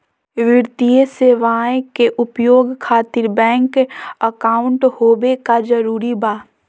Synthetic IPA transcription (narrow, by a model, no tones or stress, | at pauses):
ʋɪɾt̪ijəseːʋaːẽkeʔʊpjoːɡkʰaːt̪ɪɾbɛ̃ːŋkəkaːʊ̃ɳʈhoːbekad͡ʒəɾuːɾibaː